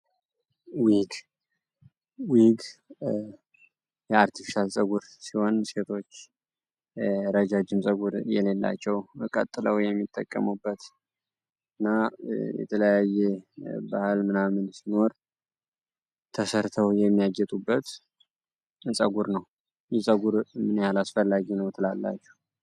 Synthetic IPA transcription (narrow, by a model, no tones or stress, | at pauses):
wiɡ | wiɡ | jɛaɾt̪ʰifi̥ʃalsʼəɡuɾsiho̞nse̞t̪ʰo̞t͡ʃː | ɾəd͡ʒad͡ʒɪmsʼəɡuɾjɛ̰le̞lːa̰t͡ʃːɛwkʼə̰t̪ʼːɨləwjɛmːit̪ʼːə̰kʼːəmubːət̪ | ɨnːajɛ̰t̪ʰələjajɛba̰hɨlmɨnamɨnsino̞ɾ | t̪ʰəsəɾt̪ʰəwjɛmːijaɡɛt̪ʼubːət̪ | ɨsʼəɡuɾnəw | jɛsʼəɡuɾmɨnjalasfəlːaɡinəwt̪ʰɨlalːa̰t͡ʃːɛ̥h